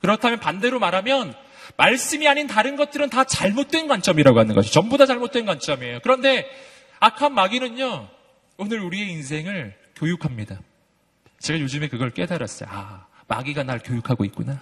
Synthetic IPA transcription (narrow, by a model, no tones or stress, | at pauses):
kɯɾʌtʰamjʌnpande̞ɾomaɾɦamjʌn | maɭs͈ɯmiaɲintaɾɯnɡʌt̚t͈ɯɾɯntat͡ɕaɭmot̚t͈we̞nɡwant͡ɕ͈ʌmiɾaɡoɦanɯnɡʌot͡ɕʌmbodat͡ɕaɭmot̚t͈we̞nɡwant͡ɕ͈ʌmiejokɯɾʌnde̞ | akʰamːaɡinɯɲo | onɯɾuɾie̞ins̬ʰe̞ŋɯɭ | kjojukʰamɲida | t͡ɕe̞ɡajod͡ʑɯme̞kɯɡʌɭk͈e̞daɾa̰s͈ʌ̰jo̰ama̰ɡiɡanaɭkjojukʰaɡoit̚k͈una